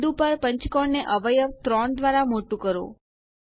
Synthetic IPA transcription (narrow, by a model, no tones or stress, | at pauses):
d̪upəɾpəɲt͡ʃkɔɳneʔəʋəjəʋt̪ɾɔnd̪ʋaɾamoʈũkəɾõ̰